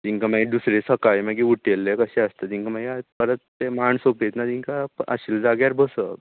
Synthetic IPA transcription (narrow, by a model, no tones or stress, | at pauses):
t̪iŋkamaɡid̪usɾesəkajmaɡiuʈelːekəɕeəst̪ət̪iŋkam̤aɡiapəɾət̪̚ːemaɳsopet̪nat̪iŋkaə̰ɕild͡zaɡjaɾbəsə